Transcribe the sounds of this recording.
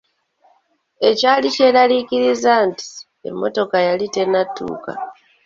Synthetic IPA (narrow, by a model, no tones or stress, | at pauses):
e̞caːlice̞ːɾaliciɾizaːnti̥ | e̞̰mːo̞̰to̞kajalite̞natːṵːka̰